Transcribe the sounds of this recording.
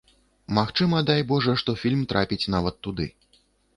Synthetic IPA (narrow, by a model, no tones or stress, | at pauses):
maxt͡ʂɨmɐd̪ajbɔʐɐʂt̪ɔfʲilʲmt̪ɾʔapʲit͡sʲnavɐt̪ːud̪ɨ̰